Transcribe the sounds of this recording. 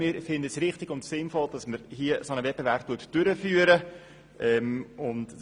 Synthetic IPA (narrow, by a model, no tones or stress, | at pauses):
mɪːɾfɪndəsɾɪχtɪɡʊntsɪnfɔld̥ɑsməɾhiəsonəvɛp̚b̥evæɾp̚tuətd̥øɾəfyːəɾə | ʔɛmʊnt